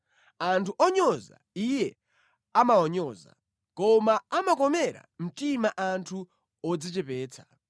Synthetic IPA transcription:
antʰuʔɔɲɔza̰ijɛ | amaɔɲɔːza̰ | kɔmaamakɔmɛɾa̰m̩timaʔantʰu | ɔd͡zit͡ʃɛpɛːt͡sʰḁ

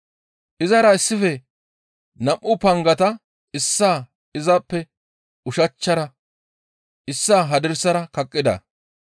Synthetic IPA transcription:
ʔɪzɐɾɐɪsːɪfɛ | nɐʔʔːʊpɐŋɡɐt̪ɐ | ɪsːaː | ɪzɐpːɛ | ʊʃɐt͡ʃːɐɾɐ | ɪsːaːɦɐd̪ɪɾsɐɾɐkɐkʼːɪd̪ɐ̰

